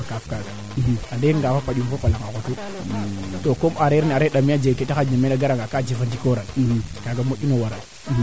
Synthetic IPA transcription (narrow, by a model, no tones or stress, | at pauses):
akafkaɡa | iadeŋɡafapaɗumfapalaŋakotu | tokomaɾeɾniaɾeɗamiad͡ʒeketaxaɲamenaɡaɾaŋɡakad͡ʒifandikoɾanikaɡamoɗinowaɾa